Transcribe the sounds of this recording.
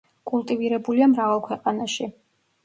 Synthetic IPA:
kʼulˠt̪ʼiviɾɛbuliamɾavalˠkʰwɛqʼanaʃi

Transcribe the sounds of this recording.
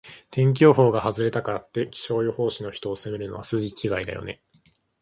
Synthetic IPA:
t̪ʰẽ̞ŋk̬ʲo̞ːɦo̞ːɡahazɨɾe̞t̪akaat̪ːe̞kʲi̥ɕo̞ːjoho̞ːɕino̞çi̥t̪o̞ːse̞me̞ɾɯ̟no̞βasɨːʑit͡ɕiɡaid̪a̰jo̞̰ne̞̰

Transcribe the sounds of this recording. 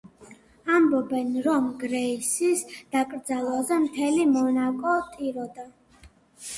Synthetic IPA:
ambɔbɛnɾɔmɡɾɛisisd̪̥akʼɾd̪zalˠazɛmt̪ʰɛlimɔnakʼɔt̪ʼiɾɔd̪a

